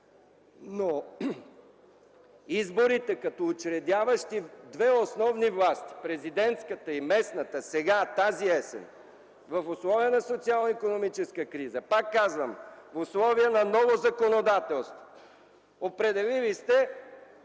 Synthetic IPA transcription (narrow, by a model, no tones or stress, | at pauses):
no | izboɾit̪ɛkɐt̪ɔːt͡ʃɾɛd̪ʲjavɐʃt̪id̪vɛosnɔvnivlˠast̪i̥pɾɛzid̪ɛnt̪skət̪əimɛsnət̪əsɛɡat̪aziɛsɛ̰n | vəfʊslˠɔviənɐsot̪sialˠnəikonomit͡ʃɛskəkɾizəpakːazvəmfʊslˠɔviənɐnɔvozɐkonod̪at̪ɛlˠst̪vo̥ | opɾɛd̪ɛlilist̪ɛ